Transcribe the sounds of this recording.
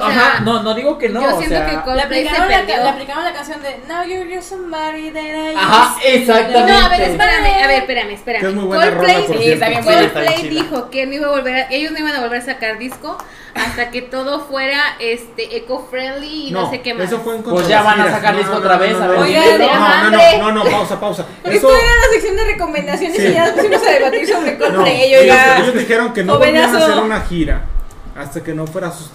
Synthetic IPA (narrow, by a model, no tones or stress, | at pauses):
aanonoðiɣokennoosjenet̪oakeɡolplejaepɾend̪joaplikaβonlakansjond̪enawjoiβjosumbaɾiðeɾaahaesak̚t̪amneõaβeɾespeɾameaβeɾspe̞ɾameːspe̞ɾamesmujβweolrollejoɾt̪ajeɡoest̪alejd̪ixokenoiβaβo̞lβeɾakeʝo̞znoiβanaβo̞lβe̞ɾasakaɾðisko̞ | ast̪ake̞t̪o̞ðo̞fweɾaest̪eʔekofɾeliːnosekemesofweuŋkonpeʝaβanaɾasakaɾðiskkoot̪ɾaβesaeɣaoanoenonopawsapawsapoɾkesooeɾalaseksjo̞nd̪ereko̞mẽnd̪asjonesijalspusimosaðeβat̪iɾsosekonoeʝoeaejozd̪ixeɾoŋkenoenamaseɾunaxiɾa̰ | ast̪akenofwe̞ɾasus